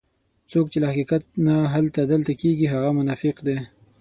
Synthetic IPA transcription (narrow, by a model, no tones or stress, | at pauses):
t͡sokt͡ʃelahaqiqat̪̚naɦalt̪ad̪əlt̪akeɡiɦaɣamʊnafɪqd̪e